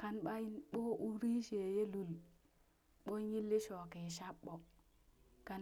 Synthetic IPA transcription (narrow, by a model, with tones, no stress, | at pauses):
ka˨nɓa˦i˦nɓo˦ʔu˦ɾi˦ʃe˨je˦lu˨l | ɓo˦nji˦lːi˦ʃo˨ke˨ʃa˦ɓːo˨ | ka˨